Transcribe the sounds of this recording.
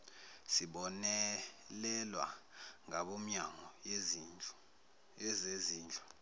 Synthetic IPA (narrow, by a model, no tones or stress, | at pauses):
siɓɔnɛlɛlwa̰ŋaɓom̩ɲaŋɔ | ɛzeziːnd͡ɮʱḁ